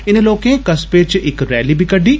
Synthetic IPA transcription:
ɪnloːkẽkɐspeːt͡ʃɪkɾɛːlibʱikɐɖʱiː

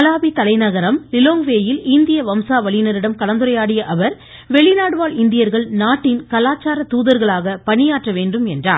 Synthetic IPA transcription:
ɐlaːbit̪ɐlɐɪnɐɣɐɾɐmlɪloːŋʋeːjɪlɪnd̪ɪjɐʋɐmsaːʋɐɭɪjnɐɾɪɽɐmkɐɭɐnd̪ɯɾɐjaːɽɪjɐʔɐʋɐɾ | ʋɛɭɪnaːɽɯʋaːɭɪnd̪ɪjɐɾɣɐɭnaːʈːɪnkɐlaːt͡ʃaːɾɐt̪uːðɐɾɣɐɭaːɣɐpɐɳɪjaːʈrɐʋeːnɖɯmɛndra̰ːɾ

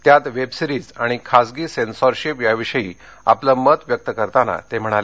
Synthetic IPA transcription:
t̪jat̪ʋebsiɾiːd͡zaɽ̃ikʰasɡiːsensɔɾɕipjaʋiɕəjiː | a̰pləmət̪ʋjək̚t̪əkəɾt̪ana̰t̪em̤əɽ̃ale

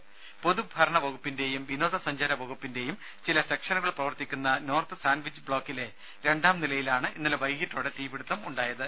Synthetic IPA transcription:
poðubʱɐɾɐɳɐʋɐɣupːinde̞jumʋino̞ːðɐsɐɲd͡ʑaɾɐʋɐɣupːinde̞jum | t͡ɕilɐse̞kʂɐnuɣɐɭprɐʋɐrt̪ːikʲːunːɐno̞ːrt̪ɨsaːnʋit͡ɕːbɭo̞ːkːile̞ | ɾe̞ɳɖaːmnilɐjilaːɳɨʔinːɐlʋɐjɡitːoːɽet̪iːbiɽut̪ːɐmuɳɖaːjɐðɨ

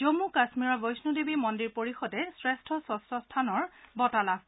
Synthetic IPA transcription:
d͡ʒomukasmiɹɔbɔjsnudebimɔndiɹpoɹixɔdɛsɹɛstʰɔsɔsɔstʰanɔɹbɔtala

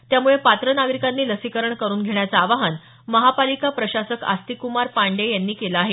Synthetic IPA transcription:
t̪jamuɭepat̪ɾənaɡɾikanːiːləsikəɾəɳkəɾuːnɡʱeɭjat͡saːʋaɦən | məɦapalikapɾəɕasəka̰st̪ikumaɾpaɳɖejanːiːkelaaːɦe

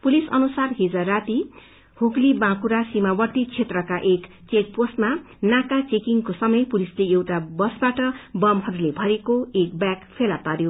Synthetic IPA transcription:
pulisʌnusarɦid͡zʌrat̪i | huklibãkuɾasimawʌrt̪it͡sʰet̪rʌkaʔek | t͡sek̚postma | nakat͡sekiŋkosʌmʌjpulisleewʈabʌsbaʈʌbʌmɦʌɾulebʱʌɾekoek̚bjakpʰelapaɾjo

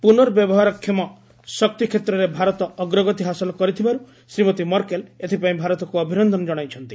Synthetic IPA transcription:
punɔɾbjɔbɔɦaɾɔkʰjɔmɔ | sɔk̚t̪ikʰet̪ɾɔɾebʱaɾɔt̪ɔʔːɡɾɔɡɔt̪iɦasɔlɔkɔɾit̪ʰibaɾu | sɾimɔt̪imɔɾkelet̪ʰipaĩbʱaɾɔt̪ɔkuɔbʱinɔnd̪ʱɔnɔd͡ʒɔɽ̃ajt͡ʃʰɔnt̪i

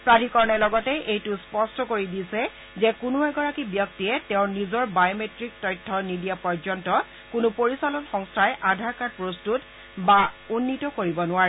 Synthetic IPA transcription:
pɹadʱikɔɹnɛlɔɡɔtɛʔejtʊspɔstɔkoɹidisɛ | zɛkunʊɛɡɔɹakibjɔk̚tiɛtɛʊ̃nizɔɹbajometɹik̚tɔjtʰːɔnidiapɔɹzɔntɔ | kʊnʊpoɹisalɔnxɔŋstʰajʔadʱaɹkaɹpɹostut | baunːitɔkoɹibɔnʊaɹɛ

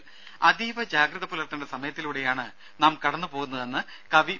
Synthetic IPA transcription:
ɐd̪iːʋɐd͡ʑaːɡɾɐðɐpːoːlɐrt̪ːɐnɖesɐmɐjɐt̪ːiluːɽe̞jaːɳɨ | naːmkɐɽɐnːɨpo̞ːɣunːɐðe̞nːɨ | kɐʋi

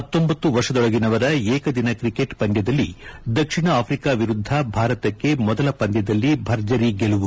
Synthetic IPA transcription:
ɦɐt̪ːo̞mbɐt̪ːuʋɐɾʂɐd̪ɔɭɐɡinɐʋɐɾɐɛːkɐd̪inɐkɾikeʈpɐnd̪jɐd̪ɐlːid̪ɐkʂiɳɐaːpʰɾikaːʋiɾud̪ʱːɐbʱaːɾɐt̪ɐkːe̞mɔd̪ɐlɐpɐnd̪jɐd̪ɐlːibʱɐɾd͡ʒɐɾiɡeluʋu

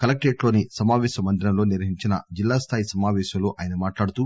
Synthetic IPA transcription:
kɐlɐk̚ʈeːʈlo̞ːnisɐmaːʋɛːʃɐmɐnd̪ʰʱɾɐmlo̞ːniɾʋɐɦiɲt͡ʃinɐ̰d͡ʒilːaːst̪ʰaːjisɐmaːʋɛːʃɐmlo̞ːʔaːjɐnɐmaːʈlaːɽut̪u

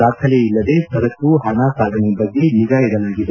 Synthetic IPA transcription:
d̪aːkʰɐleilːɐd̪e̞t̪ɐɾɐkːuɦɐnaːsaːɡ̪ʱɐnɛbɐɡːeniɡajɛd̪ɐlaːɡid̪e

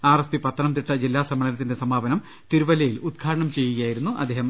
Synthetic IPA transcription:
aːrespipɐt̪ːɐnɐmt̪̬iʈːɐd͡ʑilːaːsɐmɐɭɐnɐt̪ːinde̞sɐmaːbɐnɐm | t̪iɾubɐlɐjilud̪̚kʰaːɾɐɳɐmt͡ɕe̞jːuɣɐjaːjiɾunːuʔɐ̰d̪ːeːhɐm

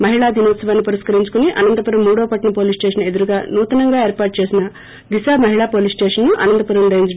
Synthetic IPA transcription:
mɐɦiɭaːd̪iːnoːt̪sɐʋaːnːipɐɾiskɐɾiɲt͡ʃu̥kuniʔɐ̰nɐnd̪ɐpɐɾɐmːuːɽoːpɐʈnɐpoːlisʈeːʃ̬ɐne̞d̪uɾuɡaːnuːt̪ɐnɐŋɡaːe̞ːɾpaːʈ̚t͡ʃe̞ːsinɐ | d̪isaːmɐɦiɭaːpoːlisʈeːʂɐnːuʔɐnɐnd̪ɐpɐɾɐmɾeːɲd͡ʒ

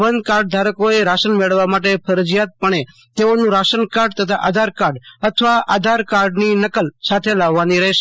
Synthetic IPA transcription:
ʋənd̪kaɾɖ̚d̪ʱaɾəkoeɾaʃənmeɭʋamaʈ̬epʰəɾəd͡ʒijat̪̚pəɳ̃e | t̪eonũɾaʃənkaɾɖt̪ət̪ʰaʔad̪ʱaɾkaɾɖət̪ʰəʋaʔad̪ʱaɾkaɾɖninəkəlsat̪ʰelaʋːaniɾəɦeʃe

